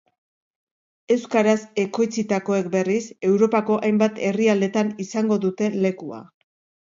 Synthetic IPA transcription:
e̞wskaɾase̞ko̞jt͡sit̪ako̞e̞kbe̞rise̞wɾo̞pako̞ʔajmbat̪e̞riald̪e̞t̪anisaŋɡo̞ðut̪e̞le̞kua̰

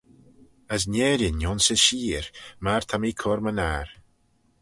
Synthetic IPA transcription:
əs̬nɛːɾənjɔnsɪʃiːɹmaɹ̥t̪ʰamiːkʰɔɾmənaːɹ

